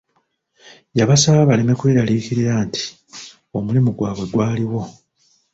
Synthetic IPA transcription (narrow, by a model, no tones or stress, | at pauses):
jaβasaβaβaleme̞kweːɾaliːkiɾiɾaːntʰi̥ | o̞mulimuɡwaːβwe̞ɡwaːliwo̞